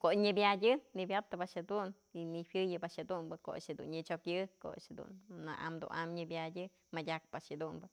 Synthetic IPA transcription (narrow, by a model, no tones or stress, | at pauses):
koʔɲɨbjadʲɨnibʲjap̚t̪ɨbaʔʃhed̪un | iniwjɨjɨbaʃhed̪umbɨko̰a̰ʂed̪ṵnɲɨt͡ʃokjɨko̰a̰ʂed̪ṵnːaʔa̰md̪ṵna̰mɲɨbjadʲɨ | madʲak̚paʔʂed̪umbɨ